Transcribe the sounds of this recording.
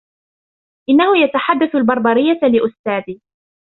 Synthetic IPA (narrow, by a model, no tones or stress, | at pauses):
ʔɪnːahʊjat̪aħad̪ːaθalbɑɾˤbɑɾɪjːalɪʔʊst̪aːd̪iː